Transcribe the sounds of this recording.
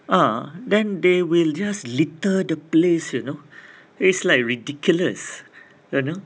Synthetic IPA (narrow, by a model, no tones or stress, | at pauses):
ʔadɛ̃ndewild͡ʒaslitədəplesjuno | itslaɪjkɹidikʰjuləs | juno